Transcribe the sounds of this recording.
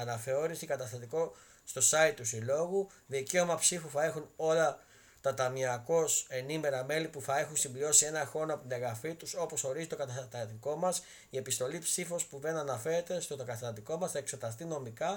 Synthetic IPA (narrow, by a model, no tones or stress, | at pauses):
ɐnɐfe̞o̞ɾisikɐt̪ɐst̪ɐt̪iko̞ | st̪o̞sɐit̪ːusilo̞ɣu | ðice̞omɐpsifuθɐe̞xuno̞lɐ | t̪ɐt̪ɐmiɐko̞se̞nime̞ɾɐme̞lipuθɐe̞xunsimblio̞sie̞nɐxo̞nɐpot̪ineɣɐfit̪uso̞po̞so̞ɾizit̪o̞kɐt̪ɐt̪t̪iko̞mɐs | ie̞pist̪o̞lipsifo̞spuðe̞nɐnɐfe̞ɾe̞t̪est̪o̞t̪kɐθɐt̪iko̞mɐsθɐe̞ksot̪ɐs̬t̪ino̞mikɐ